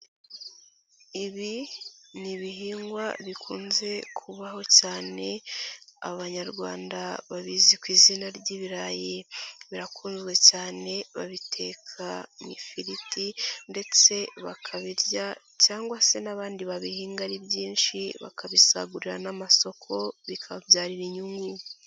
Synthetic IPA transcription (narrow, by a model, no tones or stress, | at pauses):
iβiniβiɦiːŋɡwaβikʰuːnze̞kʰuβaho̞caːne̞a̰βaɲaɾɡwa̰ːndaβaβiːzikwiːzinaɾɟiβiɾajiβiɾakʰuːnzɡwe̞caːne̞βaβitʰe̞ːkʰamifiɾitinde̞t͡se̞βakʰaβiɾɟa | caːŋɡwase̞naβaːndiβaβihiːŋɡaɾibjiːnʃiβa̰kaβisa̰ɡuɾiɾanamaso̞kʰo̞βikʰaβjaːɾiɾiɲuŋɡu